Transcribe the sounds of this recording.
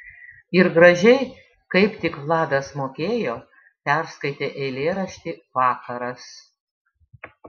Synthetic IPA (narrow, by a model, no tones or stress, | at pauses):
ɪɾɡɾɐʒʲɛɪ | kɐɪpt̪ʲɪkʋlˠɑːd̪ɐsmoːkʲeːjoː | pʲɛɾskɐɪt̪ʲeːʔɛɪlʲeːɾɐʃʲt̪ʲiːʋɑːkɐɾɐs